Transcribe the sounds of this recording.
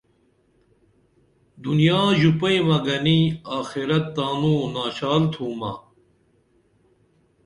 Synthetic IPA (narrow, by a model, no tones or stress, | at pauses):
d̪unjaːʑupɐjmɐɡɐniaːxiɾɐt̪ːaːnuːnaːɕaːlt̪ʰuːmɐ̰